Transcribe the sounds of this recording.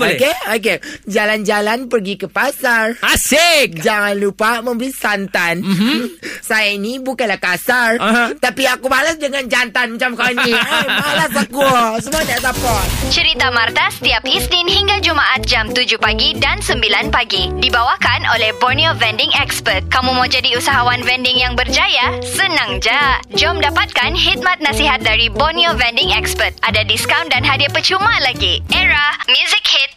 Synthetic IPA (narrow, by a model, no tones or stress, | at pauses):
bkeok̬ed͡ʒaland͡ʒalanpərɡikəpasarasɪk̚d͡ʒaŋanlupamə̃mbəɾisant̪anm̩ | sajainibukanlahkasart̪apiakubalasdəŋand͡ʒant̪anmat͡ʃamkawniamalasakusəmuanaʔsapat͡ʃəɾit̪amart̪asə̥t̪iap̚istinhiŋɡad͡ʒumaʔat̪̚d͡ʒamt̪ud͡ʒupaɡidansəmbilanpaɡidibawakanʔolɛhbɔrniovɛndɪŋɛkspərt̪̚kamũmawd͡ʒadiusaɦawanvɛndɪŋjaŋbərd͡ʒajasənãŋd͡ʒad͡ʒɔmdapat̪̚kanɦit̪̚mãt̪̚nasiɦat̪̚daɾibɔniovɛndɪŋɛkspərt̪̚adadiskawndanɦadiapət͡ʃumalaɡiʔɛɾamjuzik̚hit̪̚